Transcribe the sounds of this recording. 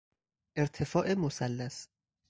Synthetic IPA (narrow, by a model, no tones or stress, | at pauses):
ʔeɾt̪ʰefɒːʔemosælːæs